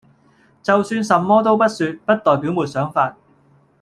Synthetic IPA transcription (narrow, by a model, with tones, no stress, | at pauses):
t͡sɐ˨wsyː˧nsɐ˨mːɔː˥t̪o˥wpɐ˥t̚syː˧t̚pɐ˥t̚t̪ɔː˨˩jpiː˨˥wmuː˨˩t̚sœː˨˥ŋfaː˧t̚